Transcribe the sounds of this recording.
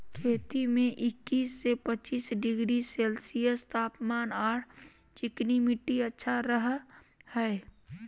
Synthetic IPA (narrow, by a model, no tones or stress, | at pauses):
kʰeːt̪imẽʔɪkːiːsːepət͡ʃiːsɖɪɡɾiselsiəst̪ʰaːpmaːnaːʈʰ | t͡ʃɪknimiʈːiətːʃʰaɾəɦ | hɛe